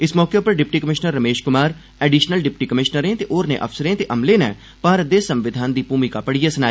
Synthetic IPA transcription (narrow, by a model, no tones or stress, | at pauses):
ɪsmɔːkepəɾɖɪp̚ʈiːkəmɪʃnəɾːəmeːʃkʊmaːɾ | ɛːɖiːʃnəlɖɪp̚ʈiːkəmɪʃnəɾẽːt̪eʔoːɾnḛ̃ːʔə̰fsəɾẽːt̪eʔəmleːnɛ̰̃ː | paːɾd̪eːsə̃mʋɪd̪ʱaːnd̪iːpuːmikaːpəɽijaːsənaː